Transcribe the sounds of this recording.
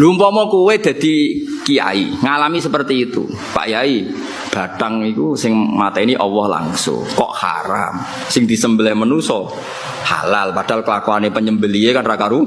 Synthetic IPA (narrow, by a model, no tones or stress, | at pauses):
lumpɔmɔkuwed̪̥ä̤d̪̥i̤kia̰ḭŋalamisəpərt̪iːt̪ṵ | pa̰ʔjai | b̥a̤t̪aŋikusɪŋmat̪ɛniʔɔwɔhla̰ŋsʊ̰ŋkɔ̰ʔha̰ɾa̰m | sɪŋd̪̥i̤səmbəlɛhmənusɔ | ha̰lalpad̥a̤lkəlakoanepəɲəmbəliekanrakaɾu